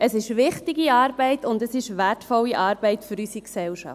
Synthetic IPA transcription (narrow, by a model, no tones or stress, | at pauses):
əsɪʃʋɪχtɪɡiɑːɾb̥ɛɪtʰʊndəsɪʃvætfɔlːiʔɑːɾb̥ɛɪtfyɾysiksɛlʃɑ̰t